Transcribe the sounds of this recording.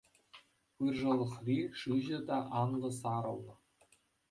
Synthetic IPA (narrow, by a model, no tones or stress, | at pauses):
pɯrʐɤ̆lˠɤ̆χrʲiʂɯʑɘ̆d̪ɑʔɑnlɤ̆sɑɾɤ̆lˠnɤ̆